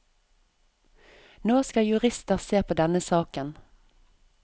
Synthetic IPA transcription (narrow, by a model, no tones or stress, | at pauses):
noːskɑjʉʁɪst̪əʁseːpʰoːd̪ɛnəsɑːkən